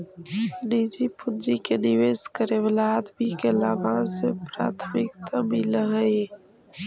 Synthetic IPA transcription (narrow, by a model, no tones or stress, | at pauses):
nid͡ʒipʊnd͡ʒikenɪʋeːskəɾewlaːd̪bʱikelaːbãsepɾa̰ːt̪ʰmɪkt̪ʰamiləɦəe